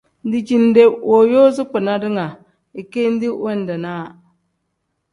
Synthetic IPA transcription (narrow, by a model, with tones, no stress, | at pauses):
n˦di˨d͡ʒi˨n˨˦de˨wo˨joː˦zɪ˦k͡pɨ˨na˦dɪ˦ŋa˨ | ɪ˨ke˦n˦di˦wɛ˦n˨dɛ˨naː˦˨